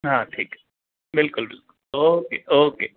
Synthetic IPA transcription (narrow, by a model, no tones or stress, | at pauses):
ɦãʈʰiːk | bɪlkʊlbɪlkʊloːkeːʔoːkeː